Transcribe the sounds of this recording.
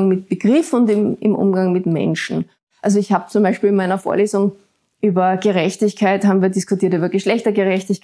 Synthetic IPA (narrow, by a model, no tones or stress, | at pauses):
ŋmɪt̚b̥əɡ̥ʁɪfʊndɪmɪ̰mʔʊ̰mɡaŋmɪtmɛ̰nʃn̩ | ʔalzoɪçhaːb̚t͡sʊmbæɪʃpiːlɪnmaɪnɐfo̰ːɐleːzʊŋ | ʔyːbɐɡ̥əʁɛçtɪçkʰaɪthaːbm̩viːɐdɪskʰʊtiːɐtyːbɐɡəʃlɛçtɐɡəʁɛçtɪçk